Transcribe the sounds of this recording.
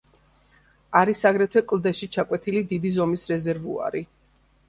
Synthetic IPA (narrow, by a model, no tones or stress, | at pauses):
aɾisaɡɾɛt̪ʰwɛkʼld̪ɛʃit͡ʃʰakʼwɛt̪ʰilid̪id̪izɔmisɾɛzɛɾvṵa̰ɾi